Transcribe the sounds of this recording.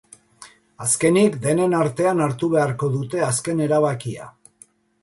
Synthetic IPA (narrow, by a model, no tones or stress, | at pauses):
aske̞nikd̪e̞ne̞naɾt̪e̞anaɾt̪uβe̞aɾko̞ðut̪e̞aske̞ne̞ɾaβakia̰